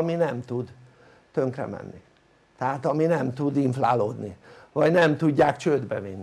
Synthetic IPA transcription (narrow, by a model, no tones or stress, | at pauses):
minɛmt̪ud̪ | t̪ø̞ŋkrɛ̰mɛ̰nːi | t̪ɛɦaːt̪ɒminɛmt̪ud̪iɱfla̰ːloːd̪nivɒɟnɛmt̪uɟːaːkt͡ʃøːd̪bɛvinː